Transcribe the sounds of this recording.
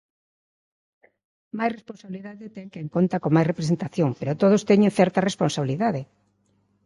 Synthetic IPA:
majsresponsaβiliðaðɪt̪ɛŋkeeŋkont̪ɐkomajsrepɾes̬ent̪aθjoŋpeɾot̪oð̞ost̪ɛɲẽŋθɛɾt̪ɐresponsaβiliðaðe

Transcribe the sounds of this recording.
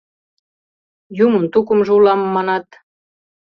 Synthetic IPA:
juməmt̪ukə̆mʒeulɑmːɑnɑt̪

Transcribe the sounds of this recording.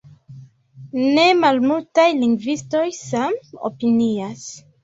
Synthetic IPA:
ne̞malmultajliŋɡvisto̞jsamo̰pinias

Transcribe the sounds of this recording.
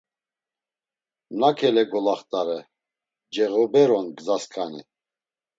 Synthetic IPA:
nakʰɛlɛɡɔlaχt̪ʼaɾɛ | d͡ʒɛɣɔbɛɾɔnɡzaskʰanḭ

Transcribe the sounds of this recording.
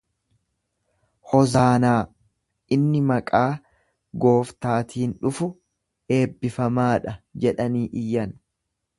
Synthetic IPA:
hɔzaːnaː | ʔɪnːɪmɐkʼaː | ɡo̞ːft̪aːt̪iːnᶑʊfʊ | e̞ːbːɪfɐmaːᶑɐd͡ʒɛᶑɐniːʔɪjːɐn

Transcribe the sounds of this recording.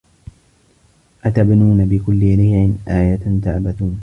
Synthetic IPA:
ʔat̪abnuːnabɪkʊlːɪniːʕɪnʔaːjat̪t̪aʕbat̪uːn

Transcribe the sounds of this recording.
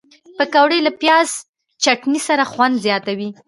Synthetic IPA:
pəkawɽelapjɑz | t͡ʃaʈnisaɾaxwand̪zjɑt̪awi

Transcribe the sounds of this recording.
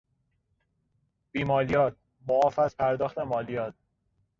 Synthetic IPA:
b̥iːmɒːlijɒːt̪̚ | bɒɒːfæspʰæɾd̪ɒːxt̪emɒːlijɒːt̪̚

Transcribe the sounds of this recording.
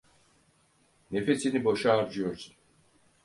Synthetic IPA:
ne̞fe̞sinibo̞ʃaːɾd͡ʒujo̞ɾsun

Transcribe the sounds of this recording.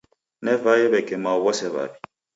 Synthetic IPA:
nɛvajɛβɛkɛmauβɔsɛβa̰bi

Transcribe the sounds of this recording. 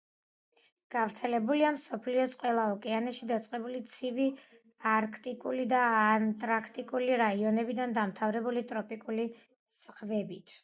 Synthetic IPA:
ɡ̥avɾt̪sʰɛlɛbuliamsɔpʰliɔsqʼwɛlˠaɔkʼɛanɛʃid̪at̪sʼqʼɛbulit̪sʰivi | aɾkʰt̪ʼikʼulid̪aːnt̪ʼɾakʰt̪ʼikʼuliɾaiɔnɛbid̪and̪amt̪ʰavɾɛbulit̪ʼɾɔpʼikʼuli | sχvɛbit̪ʰ

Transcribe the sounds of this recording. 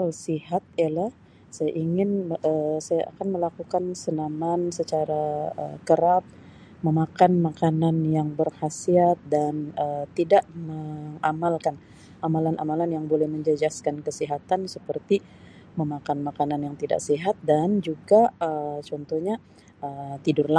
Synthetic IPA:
alsihat̪̚jalah | sajaʔiŋɪnəsajaʔa̰kanməlakukansənamansət͡ʃaɾaə̰kəɾap̚ | məmakanmakananjaŋbərhasiat̪̚danət̪idaʔməŋamalkan | amalanʔa̰malanjaŋbolɛhməɲd͡ʒəd͡ʒaskankəsiɦat̪ansəpərt̪i | məmakanmakananjaŋt̪ida̰ʔsiɦat̪̚dand͡ʒuɡaət͡ʃɔnt̪ɔhɲa | ət̪idʊrla

